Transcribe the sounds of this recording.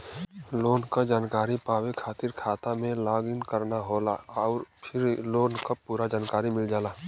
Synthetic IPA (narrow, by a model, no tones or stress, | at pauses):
loːnkad͡ʒaːnkaːɾipaːʋekʰaːt̪ɪɾkʰaːt̪amẽlaːɡɪnkəɾnaɦoːlaɔːɾpʰɪɾloːnkapuːɾad͡ʒaːnkaːɾimɪld͡ʒaːlaː